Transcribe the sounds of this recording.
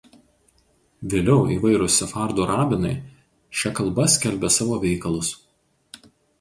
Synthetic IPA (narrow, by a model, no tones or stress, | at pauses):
ʋʲeːlʲɛʊiːʋɐɪɾʊsʲɛfɑˑɾd̪uːɾɑːbʲɪnɐɪ | ʃʲɛkɐlˠbɐsʲkʲɛlʲbʲɛsɑːʋoːʋʲɛɪkɐlˠʊs